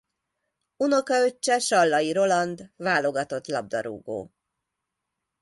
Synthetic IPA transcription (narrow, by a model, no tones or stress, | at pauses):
uno̞kɒø̞t͡ʃːɛʃɒlːɒjiɾo̞lɒnd̪vaːlo̞ɡɒt̪o̞t̪lɒb̚d̪ɒ̰ɾṵːɡo̰ː